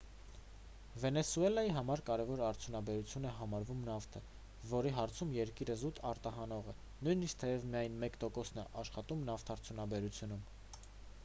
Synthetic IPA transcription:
vɛnɛsuɛlɑjiɦɑmɑɾkɑɾɛvɔɾɑɾt͡sʰjunɑbɛɾut͡sʰjunɛɦɑmɑɾvumnɑft̪ʰə | vɔɾiɦɑɾt͡sʰumjɛɾkiɾəzut̪ʰɑɾt̪ɑɦɑnɔʁɛ | nujniskt̪ʰɛjɛvmijɑjnmɛkt̪ɔkɔsnɛʔɑʃχɑt̪umnɑft̪ʰɑɾt͡sʰjunɑbɛɾut͡sʰjunum

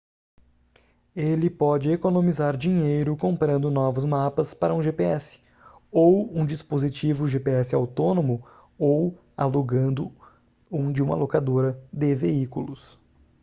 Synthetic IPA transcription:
elɪpɔd͡ʒɪekonõmizaɾd͡ʒĩɲejɾʊkõmpɾɐ̃nd̪ʊnɔvʊzmapɐspaɾɐũʒepeɛsɪ̥ | owũd͡ʒispozit͡ʃivʊʒepeɛsɪawt̪onõmʊ | ow | a̰loɡɐ̃nd̪ʊ | ũd͡ʒɪũmɐ̰lokad̪oɾɐd̪ɪveikulʊs

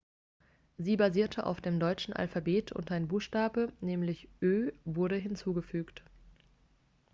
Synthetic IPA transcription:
ziːbaziːɐtʰəʔa̰ʊfd̥eːmdɔʏt͡ʃn̩ʔa̰lfabeːtʰʊ̰ntaɪnbuːxʃtaːbənɛːmlɪçʔøːvʊɐɾəɦɪnt͡suːɡəfyːkt

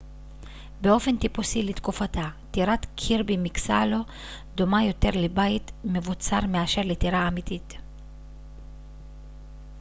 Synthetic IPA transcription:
beo̞fe̞nt̪ipusilit̪kufatatiʁatkʰiʁbimiksa̰lo̞ | d̪o̞majo̞te̞ʁlebajtme̞vut͡saʁmeaʃe̞ʁlet̪iʁaːmit̪it

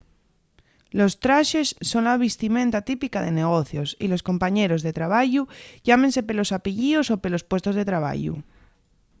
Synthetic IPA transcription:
lo̞st̪ɾaʃe̞sːo̞nlaβ̞ist̪imẽnt̪at̪ipikaðe̞ne̞ɣ̞o̞θjo̞sḭlo̞sko̞mpaɲe̞ɾo̞zðe̞t̪ɾaβ̞aʝuʝamense̞pe̞lo̞sapiʎio̞so̞pe̞lo̞spwe̞st̪o̞zðet̪ɾaβ̞a̰ʝṵ

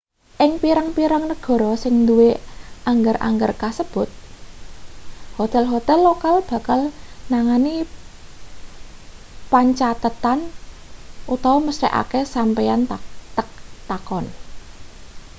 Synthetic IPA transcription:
ʔɪŋpiɾaŋpiɾaŋnəɡ̥ɔ̤ɾɔsɪŋnd̪uweʔaŋɡərʔa̰ŋɡərkasəb̥ʊ̤t̪̚ | hot̪ɛlɦot̪ɛlːokalb̥a̤kalnaŋani | paɲt͡ʃat̪ət̪an | ʔut̪awɔməstɛ̰ʔa̰kesampɛjant̪ək̚t̪akɔn

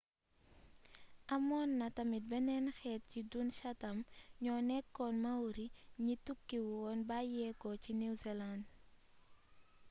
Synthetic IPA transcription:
ʔɐmɔnːɐtɐmit̚bɛnɛnxɛːt̚cidunʃɐtɐmɲɔnɛkːɔnmɐwɾiɲitukːiwuɔnbajɛkɔcinizɛland

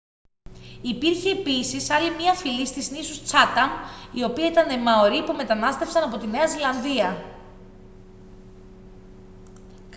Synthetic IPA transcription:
ipiɾçeːpisisɐlimɲɐfilist̪iznisust͡sɐt̪ɐmio̞piɐit̪ɐnemɐo̞ɾipume̞t̪ɐnɐst̪e̞fsɐnɐpo̞t̪ine̞ɐzilɐnðiɐ | k

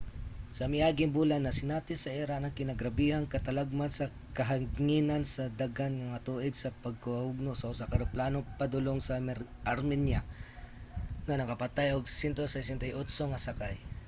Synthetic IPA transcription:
sɐmɪʔaːɡɪŋbuːlanːɐsɪnat̪ɪnsɐʔɛɾanɐŋkɪnɐɡɾɐbihaŋkɐt̪ɐlaɡ̚mansɐ | kɐɦɐŋŋinɐnsɐd̪aɡanŋɐŋɐt̪uʔɪɡsɐpɐɡ̚koɐhʊɡ̚nosɐʔʊsakɐɾoplaːnopɐd̪ʊloŋsɐmɛ | ʔɐɾmɛnja | ŋɐnɐkɐpɐt̪ajʔoɡsɛnt̪osɛsɛnt̪ɐjʔot̪soŋɐsɐkaj

